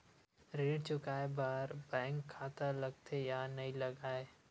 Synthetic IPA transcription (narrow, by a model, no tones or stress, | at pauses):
ɾeːɽt͡ʃʊkaːebaːɾbɛ̃ːŋkʰːaːt̪alɐɡ̚t̪ʰejaːnɐɦĩlɐɡaːe